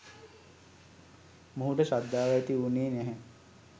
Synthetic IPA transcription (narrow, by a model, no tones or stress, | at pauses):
muɦuʈəʃad̪ːaːʋæt̪iuniːneɦe